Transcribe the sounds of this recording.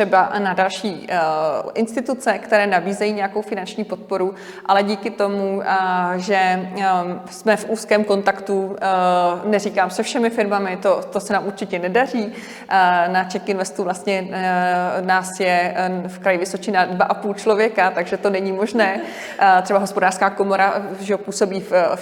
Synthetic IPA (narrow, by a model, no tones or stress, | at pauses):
ɛbanadalʃiː | ʔɪnst̪ɪt̪ut͡sɛkt̪ɛɾɛːnabiːzɛjiːɲɛjako̞wfɪnant͡ʃɲiːpo̞t̪̚po̞ɾu | ʔalɛɟiːkɪt̪o̞mu | ʒɛ | smɛfʔuːskɛːmko̞nt̪akt̪u | nɛriːkaːmsɛfʃɛmɪfɪɾmamɪt̪ot̪o̞sɛnaːmuɾt͡ʃɪcɛnɛdar̝iː | nat͡ʃɛxkɪnvɛst̪uvlast̪ɲɛ | naːsjɛfkɾajɪvɪso̞t͡ʃɪnadvaʔapuːlt͡ʃlovjɛkat̪aɡʒɛt̪o̞nɛɲimo̞ʒnɛː | t̪r̝ɛbaɦo̞spo̞daːr̥skaːko̞mo̞ɾaʒɛopuːso̞biːf